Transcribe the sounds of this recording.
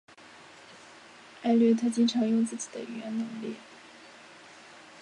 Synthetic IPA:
a˥˧ɪly˥˩t̪ʰɤ˥t͡ɕi˥nʈ͡ʂʰɤ˧˥ŋjʊ˥˧ŋt͡sɹ̩˥˩t͡ɕi˨˩d̪ə̰˦ʔy̰˨˩ɥɛ˧˥nnə˧˥ŋli˥˩

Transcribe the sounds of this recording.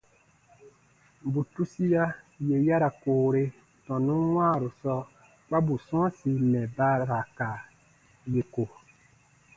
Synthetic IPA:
bu˨tu˦si˦ja˦je˨ja˦ɾa˨koː˨ɾe˦ | tɔ̃˨nũ˦wãː˦˨ɾu˨sɔ˦ | k͡pa˦bu˨sɔ̃˦si˨mɛ̃˨ba˦ɾa˨ka˨ | je˨ko˨

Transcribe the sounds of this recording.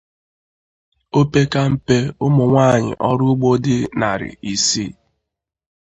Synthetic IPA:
o˦pe˦ka˦m̩˨pe˦ʊ˦mʊ˨ŋʷa˦˨ɲɪ̰˨ʔɔ˦ɾʊ˦ɡ͡bo˦dɪ˦na˨ɾɪ̰˨i˨si˦

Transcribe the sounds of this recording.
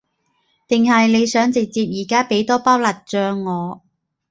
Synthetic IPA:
t̪ɪ˨ŋhɐ˨jle˨˧jsœː˨˥ŋt͡sɪ˨k̚t͡siː˧p̚jiː˨˩kaː˥pe˨˥jt̪ɔː˥paː˥wlɐ˨t̚t͡ʃœː˧ŋːɔː˨˧

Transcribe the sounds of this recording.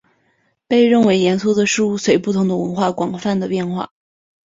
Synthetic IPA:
pe˥˧ɪɻə˥˩nwe˧˥ɪjɛ˧˥nsʰu˥ʊd̪ə˨ʂɻ̩˥˧u˥˩swe˧˥ɪpu˥˩t̪ʰʊ˧˥ŋd̪ə˧wə˧˥nxwa˥˩kwɑ˨˩ŋfa˥˩nd̪ə˩pjɛ˥˧nxwa̰˥˩

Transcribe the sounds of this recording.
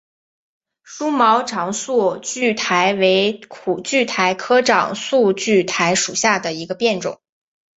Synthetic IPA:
ʂu˥mɑ˧˥ʊʈ͡ʂʰɑ˧˥ŋsu˥˩t͡ɕy˥˩t̪ʰa˧˥ɪwe˧˥ɪkʰu˨˩t͡ɕy˥˩t̪ʰa˧˥ɪkʰɤ˥ʈ͡ʂɑ̰˨˩ŋsu˥˧t͡ɕy˥˩t̪ʰa˧˥ɪʂu˨˩ɕja˥˩d̪ə˩i˧˥ɡə˧pjɛ˥˩nʈ͡ʂʊ̰˨˩˦ŋ

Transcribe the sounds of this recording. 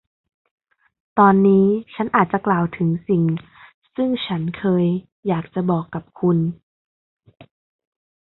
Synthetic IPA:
t̪ɔː˧nːiː˦˥t͡ɕʰa˦˥nʔaː˨˩t̪̚t͡ɕa˨˧klaː˨˩wt̪ʰɯ˩˦ŋsi˨˩ŋ | sɯ˥˩ŋt͡ɕʰa˦˥nkʰɤː˧jː | aː˨˩k̚t͡ɕa˧˦bɔː˨˩kːa˧˩p̚kʰu˧n

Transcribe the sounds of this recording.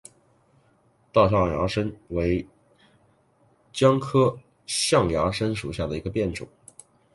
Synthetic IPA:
t̪ɑ˥˧ʊɕ̬jɑ˥˩ŋja̰˧˥ʂə˥nwe˧˥ɪ | t͡ɕjɑ˥ŋkʰɤ˥ | ɕjɑ˥˩ŋjɑ˧˥ʂə˥nʂu˨˩ɕja˥˩d̪ə˩i˧˥ɡə˧pjɛ˥˩nʈ͡ʂʊ̰˨˩˦ŋ

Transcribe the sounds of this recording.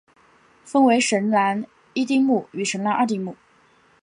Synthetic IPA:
fə˥nwe˧˥ɪʂə˧˥nla˧˥n | i˥t̪i˥˧ŋmu˥˩y˧˥ʂə˧˥nla˥nʔə˞˥˧t̪i˥˧ŋmu˥˩

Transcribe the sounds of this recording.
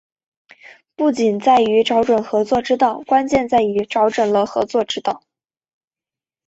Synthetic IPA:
pu˥˩t͡ɕi˨˩nt͡sa˥˩ɪy˧˥ʈ͡ʂɑ˧˥ʊʈ͡ʂwə˨˩nxɤ˧˥t͡swɔ˥˩ʈ͡ʂɻ̩˥t̪ɑ˥˩ʊkwa˥nt͡ɕjɛ˥˧nt͡sa˥˩ɪy˧˥ʈ͡ʂɑ˧˥ʊʈ͡ʂwə˨˩nlə˧xɤ̰˧˥t͡swɔ˥˧ʈ͡ʂɻ̩˥t̪ɑ˥˩ʊ

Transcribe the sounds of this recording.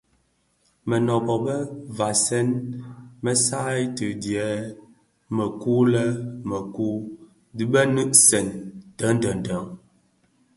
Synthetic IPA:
mə˨nɔ˨bɔ˨bə˦va˨sɛ˦nmə˦sa˦jtɨ˨djɛ˨˦ | mə˨ku˦lɛ˦mə˨ku˦ | di˦bə˦nɨ˦ʔsɛ˨ntə˨˦n̩˦də˨n̩˨də˨˦ŋ

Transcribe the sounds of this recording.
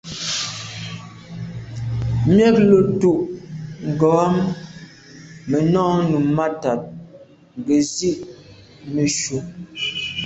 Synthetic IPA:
mjɛ˦k̚lo˨tu˦˨ʔŋ̩˨ɡɔ˨˦a˦m | mə˨nɔ˦nu˨mma˦ta˨t̚ | ŋ˨ɡe˨zi˦ʔ | me˨ʃu˨

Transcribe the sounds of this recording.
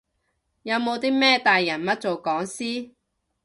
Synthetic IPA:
jɐ˨˧wmo˨˧wt̪iː˥mɛː˥t̪aː˨jːɐ˨˩nmɐ˥t̚t͡so˨wkɔː˨˥ŋsiː˥

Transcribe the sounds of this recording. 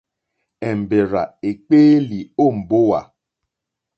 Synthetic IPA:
ɛ˨m̩˨be˨ɾa̰˨e˨k͡peː˦li˨o˦˨m̩˨bo˦wa̰˨

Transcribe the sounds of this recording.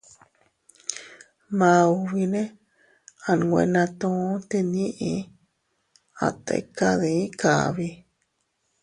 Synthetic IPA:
mã˧u˧βi˧nẽ˦ | a˧˨ñ˨˧ɡʷḛ̃˧nã˧t̪õ˧˦t̪e˧nĩ˦ʔĩ˧ | a̰˧t̪ḛ˧ka˦ðẽ˧ĩ˦ka˨βi˧

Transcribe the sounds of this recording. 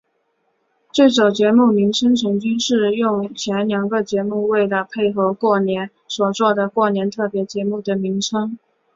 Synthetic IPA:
t͡swe˥˩ɪt͡sɑ˨˩ʊt͡ɕjɛ˧˥mu˥˩mi˧˥ŋʈ͡ʂʰɤ˥ŋʈ͡ʂʰɤ˧˥ŋt͡ɕy˥nʂɻ̩˥˧jʊ˥˩ŋt͡ɕʰjɛ˧˥nljɑ˧˥ŋɡə˧t͡ɕjɛ˧˥mu˥˧we˥˩ɪlə˩pʰe˥˩ɪxɤ˧˥ʊkwɔ˥˩njɛ˧˥n | swɔ˨˩t͡swɔ˥˩d̪ə˩kwɔ˥˩njɛ˧˥nt̪ʰɤ˥˩pjɛ˧˥t͡ɕjɛ˧˥mu˥˩d̪ə˩mi˧˥ŋʈ͡ʂʰɤ˥ŋ

